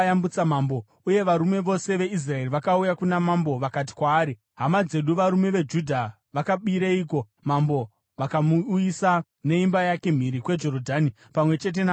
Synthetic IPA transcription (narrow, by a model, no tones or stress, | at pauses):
jambut͡samaːmbo | uje̞ʋaɾume̞ʋo̞se̞ʋe̞is̬raeriʋakaujakunamambo̞ʋakat̬i̥kwaːɾi | ɦamad͡ze̞ɗuʋaɾume̞ʋe̞d͡ʒudʱa | ʋakaɓiɾeik̬o̞ | mambo̞ | ʋakamuisa | ne̞imbajake̞m̤iɾikwe̞d͡ʒo̞rodʱaːni | pamwe̞t͡ʃe̞t̬e̞n